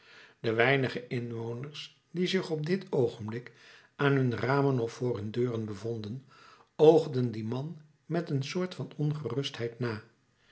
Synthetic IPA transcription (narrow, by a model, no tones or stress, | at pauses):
dəʋɛjnəχəʔɪnʋownəɹs | dizɪχɔb̚dɪtowχənblɪk | aːnɦɵnraːmənɔfʊːɹɦɵndøːrənbəvɔndən | owχdəndimɑn | mɛtənsʊːɹtfɑnɔnχərɵstɦɛjtnaː